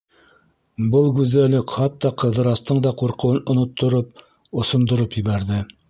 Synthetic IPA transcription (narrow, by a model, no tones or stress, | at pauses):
bɤlˠɡʉzælɘkχɑt̪ːɑqɤ̆ðɤ̆ɾɑst̪ɤɴd̪ɑquɾqɤ̆wɤnʔŏnŏt̪ʰːŏɾop̚ | ŏsŏnd̪ŏɾopjɘ̆βæɾðɘ